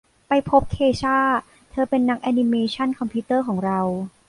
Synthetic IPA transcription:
pa˧jpʰo˦˥p̚kʰeː˧t͡ɕʰaː˥˩ | t̪ʰɤː˧pe˧nːa˦˥k̚ʔa˧ni˧meː˧t͡ɕʰa˥˩nkʰɔ˧mpʰiː˦˥t̪ɤː˥˩kʰɔː˩˦ŋɾa˧w

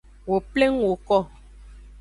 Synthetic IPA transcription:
wo˨ple˦ŋwo˨kɔ˦˨

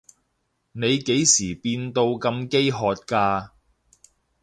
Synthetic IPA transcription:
ne˨˧jke˨˥jsiː˨˩piː˧nt̪o˧wkɐ˧mke˥jɦɔː˨˧t̚kaː˧

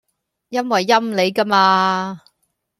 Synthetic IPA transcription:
jɐ˥nwɐ˨jːɐ˥mle˨˧jkɐ˥maː˧

